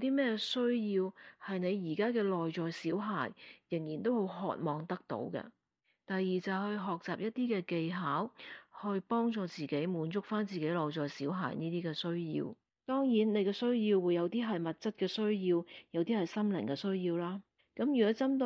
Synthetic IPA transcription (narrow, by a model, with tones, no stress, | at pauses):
t̪iː˥mɛː˥ɛ˧sɵ˥ɥjiː˧whɐ˨jne˨˧jjiː˨˩kaː˥kɛː˧lɔː˨jt͡sɔː˨jsiː˨˥wɦa̰ː˨˩jjɪ˨˩ŋjiː˨˩nt̪o˥who˨˥wɦɔ̰ː˨t̚mɔː˨˧ŋt̪ɐ˥k̚t̪o̰˨˧˥wkɛ̰˧ | t̪ɐ˨jːiː˨˩t͡sɐ˨wɦɵ˧ɥɦɔː˨k̚t͡saː˨p̚jɐ˥t̚t̪iː˥kɛː˧ke˧jɦaː˨˥whɵ˧ɥpɔː˥ŋt͡sɔː˧t͡siː˨ke˨˥jmuː˨˧nt͡sʊ˥k̚faː˥nt͡siː˨ke˨˥jlɔː˨jt͡sɔː˨˩jsiː˨˥wɦa̰ː˨˩jniː˥t̪iː˥kɛː˧sɵ˥ɥjḭː˧w | t̪ɔː˥ŋjiː˨˥nne˨˧jkɛː˧sɵ˥ɥjiː˧wːuː˨˧jːɐ˨˧wt̪iː˥ɦɐ˨jmɐ˨t̚t͡sɐ˥t̚kɛː˧sɵ˥ɥjiː˧wjɐ˨˧wt̪iː˥hɐ˨jsɐ˥mlɪ̰˨˩ŋkɛː˧sɵ˥ɥjiː˧wlaː˥ | kɐ˨˥mjyː˨˩ɔ˨˥t͡sɐ˥mt̪o˧